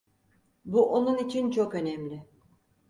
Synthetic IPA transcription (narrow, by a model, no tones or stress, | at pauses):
buʔonunit͡ʃʰint͡ʃʰokø̞nɛmlʲɪ